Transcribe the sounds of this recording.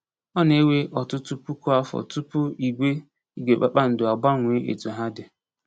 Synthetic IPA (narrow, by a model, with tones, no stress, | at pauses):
ɔ˦ne˦we˦ʔɔ˨tʊ˦tu˦pu˦ku˦a˦fɔ̰˨tu˦pʊ˦i˨ɡʷe˦ | i˦ɡʷe˨k͡pa˦k͡pa˦n̩˨dʊ˨a˨ɡ͡ba˦ŋʷe˨˦ʔḛ˨tu˨ɦa˦dɪ˨